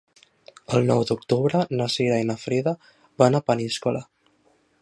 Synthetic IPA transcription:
əlˠnɔwd̪uk̚t̪uβɾənasiɾainafɾiða | βanapəniskula

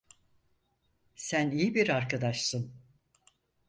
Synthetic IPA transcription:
sænijibiɾaɾkad̪aʃsɯn

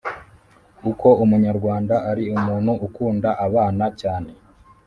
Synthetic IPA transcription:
uko̞umuɲaɾɡwaːndaʔaɾiumuːnhuʔːkuːndaʔaβaːnacaːne̞

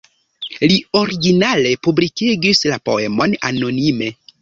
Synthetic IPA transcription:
lio̞ɾiɡinale̞publikiɡislapo̞̰emo̞na̰no̞nime̞

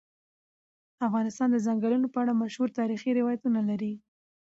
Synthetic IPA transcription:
afɣɑnɪst̪ɑnd̪əzaŋɡəlunopəaɽamaʃhuɾt̪ɑɾixiɾɪwɑjat̪unalaɾi

